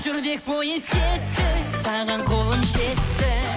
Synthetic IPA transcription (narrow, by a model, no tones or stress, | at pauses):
ʒʏɾd̪e̞k̚bojeskʲet̪ːɪsɑʁɑɴqʰo̞lˠəmʃe̞t̪ːɪ